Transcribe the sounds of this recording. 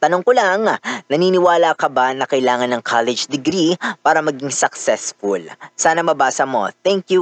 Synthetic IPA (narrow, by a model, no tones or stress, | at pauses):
t̪ɐnoŋkolɐŋnɐniːnɪwaːlɐkɐbanɐkɐɪlaːŋɐnːɐŋkʰalɛd͡ʒd̪ɛɡɾipaːɾɐmɐɡiŋsɐksɛsfʊlsaːnɐmɐbaːsɐmo̞̰t̪ɛŋkju